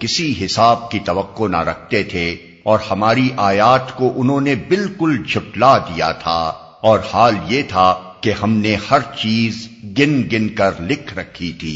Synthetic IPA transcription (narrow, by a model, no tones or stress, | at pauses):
kɪsiɦɪsaːb̚kit̪ɐʋɐqːona̰ɾɐk̚ʰt̪et̪ʰe | ɔːɾhɐmaːɾiʔaːjaːt̪koʔʊnɦõːnebɪlkʊld͡ʒʰʱʊklad̪ija̰t̪ʰa̰ | ɔːɾhaːljet̪ʰa | kehɐmnehɐɾt͡ʃiːzɡɪnɡɪnkɐɾlɪkʰɾɐkʰːit̪ʰḭː